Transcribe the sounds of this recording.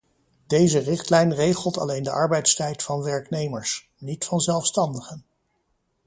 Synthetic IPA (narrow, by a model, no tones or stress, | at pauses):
d̥ejzərɪχtlɛjnrejχəlˠtɑ̰lejndəʔɑɹbɛjtstɛjtfɑnʋɛɹknejməɹs | nitfɑnzɛlˠfstɑndəχən